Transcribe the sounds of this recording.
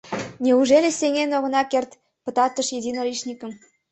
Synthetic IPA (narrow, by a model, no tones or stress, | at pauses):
nʲeuʒelʲesʲeŋenoɣɤ̆nɑkert̪ | pə̆t̪ɑt̪əʃjed̪ʲinolʲiʃnʲikə̆m